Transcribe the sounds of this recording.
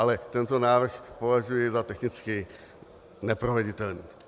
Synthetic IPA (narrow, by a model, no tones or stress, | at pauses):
alɛt̪ɛnt̪o̞naːvr̩xpo̞vaʒujɛzat̪ɛxnɪt͡skɪ | nɛpɾovɛɟɪt̪ɛlniː